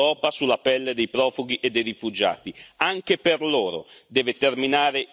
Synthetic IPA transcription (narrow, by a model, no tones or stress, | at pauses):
ɔːpasulːapɛlːed̪ɛjpɾɔːfuɡ̟iʔed̪ːejrifud͡ʒa̰ːt̪iaŋk̟eperloːɾo̰d̪ɛːvet̪erminaːɾe